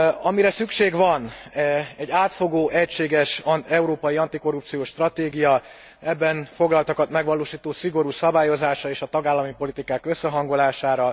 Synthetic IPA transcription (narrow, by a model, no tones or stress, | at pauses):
ɒmiɾɛsykʃeːɡʋɒn | ɛɟːaːt̪fo̞ɡoːʔɛcʃeːɡɛʃɛuɾoːpɒjiɒnt̪iko̞ɾup̚t̪sijoːʃt̪rɒt̪eːɡijɒ | ɛbːɛnfo̞ɡlɒlt̪ɒkɒt̪mɛɡʋɒloːʃiːt̪oːsiɡo̞ɾuːsɒbaːjo̞zaːʃrɒeːʃɒt̪ɒɡaːlːɒmipo̞lit̪ikaːkø̞sːɛɦɒŋɡo̞laːʃaːɾɒ